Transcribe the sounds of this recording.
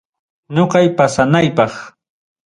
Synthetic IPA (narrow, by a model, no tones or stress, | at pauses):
ɲoqɑjpasanajpɑχ